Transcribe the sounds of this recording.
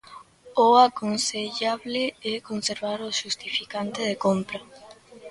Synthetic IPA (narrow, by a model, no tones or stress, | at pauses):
oakonseʎaβleɛkonseɾβaɾoʃust̪ifikant̪eðekompɾa